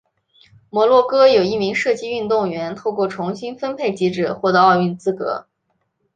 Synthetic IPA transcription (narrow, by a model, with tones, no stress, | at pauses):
mwɔ˧˥lwɔ˥˩kɤ˥jo˨˩ʊi˥˩mi˧˥ŋʂɤ˥˧t͡ɕi˥˧y˥˧nt̪ʊ˥˩ŋɥɛ˧˥nt̪ʰo˥˧ʊkwɔ˥˩ʈ͡ʂʰʊ˧˥ŋɕi˥nfə˥npʰe˥˩ɪt͡ɕi˧˥ʈ͡ʂɻ̩˨˩xwɔ˥˩d̪ɤ˧˥˦ɑ˥˧ʊy˥˧nt͡sɹ̩˥kɤ̰˧˥